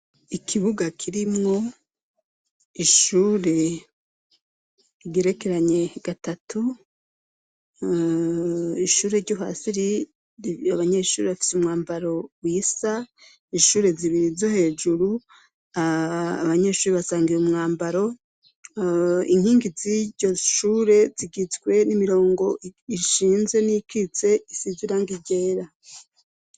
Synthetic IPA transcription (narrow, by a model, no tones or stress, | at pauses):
ikʰiβuɡakʰiɾimŋo̞ | iʃuːɾe̞ | iɡeɾe̞ke̞ɾaɲe̞ɡ̥atatʰu | iʃuːɾe̞ɾɟoɦa̰ːsiɾi | aβaɲe̞ʃuːɾeβafi̥sumŋaːmbaɾo̞wiːsa | iʃuːɾe̞ziβiɾizohe̞ːd͡ʒuɾu | aaβaɲe̞ʃuːɾeβasaːŋɡijumŋaːmbaɾo̞ | ḭŋ̥iːŋɡiziɟo̞ʃuːɾe̞ziɡit͡sɡwe̞nimiɾo̞ːŋɡo̞iʃiːnzɡe̞nikʰit͡se̞isiziɾaŋɡiɟe̞ːɾa